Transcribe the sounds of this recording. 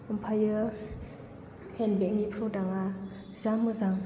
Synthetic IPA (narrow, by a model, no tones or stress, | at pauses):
ɯmpʰajɯ | henbek̚nipʰɾɔdaŋa | zamɯzaŋ